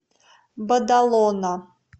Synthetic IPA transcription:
bɐd̪alona

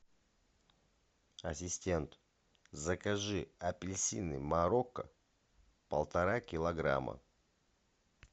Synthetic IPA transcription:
ɐsʲɪsʲtʲe̞nt̪ | zɐkɐʐɨɐpʲɪlʲsʲinɨmaɾokːə | pəlˠt̪ɐɾakʲɪlˠɐɡɾa̰mə̰

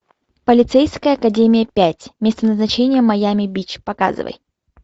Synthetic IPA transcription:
pəlʲɪt̪sejskəjəɐkɐdʲemʲɪjəpʲætʲmʲest̪ənəznɐt͡ɕenʲɪjəmɐjamʲɪbʲit͡ɕpɐka̰zɨ̰və̰j

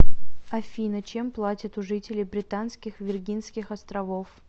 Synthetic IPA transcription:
ɐfʲinət͡ɕe̞mplˠatʲɪt̪ʊʐɨtʲɪlʲɪjbɾʲɪt̪anskʲɪxvʲɪrɡʲinskʲɪxɐst̪ɾɐvof

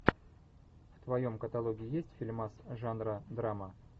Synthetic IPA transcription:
ft̪vɐjo̞mkət̪ɐlˠoɡʲɪɪjesʲtʲfʲɪlʲmasʐanɾəd̪ɾamə

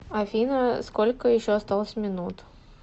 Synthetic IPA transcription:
ɐfʲinəskolʲkəjɪɕːoɐst̪alˠəsʲmʲɪnut̪

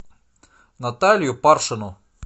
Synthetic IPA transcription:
nɐt̪alʲjʊparʂɨnʊ

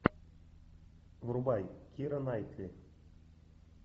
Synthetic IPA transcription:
vrubɑjkʲiɾɤ̆nɑjt̪ʲlʲi

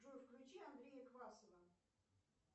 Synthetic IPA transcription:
ʐufklʲut͡ɕiand̪ɾʲejəkvasəvə

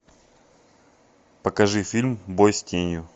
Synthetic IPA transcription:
pəkɐʐɨfʲilʲmbojsʲtʲenʲjʊ

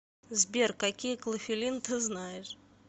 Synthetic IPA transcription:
zbʲerkɐkʲijəklˠəfʲɪlʲint̪ɨznajɪʂ

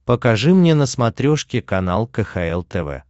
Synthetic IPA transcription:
pəkɐʐɨmnʲenəsmɐt̪ɾʲoʂkʲɪkɐnalˠkəxɐɛlˠt̪ɛvɛ̰

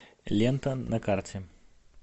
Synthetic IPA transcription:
lʲent̪ənɐkartʲɪ

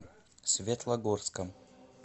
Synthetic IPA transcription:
sʲvʲet̪lˠɐɡorskə

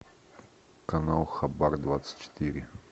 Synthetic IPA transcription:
kanalˠxabaɾd̪vat̪sə̥t̪ʲt͡ʃɛ̥t̪iɾʲɪ

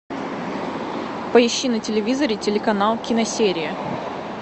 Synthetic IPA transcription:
pəɪɕːinətʲɪlʲɪvʲizəɾʲɪtʲɪlʲɪkɐnalˠkʲɪnɐsʲeɾʲɪjə

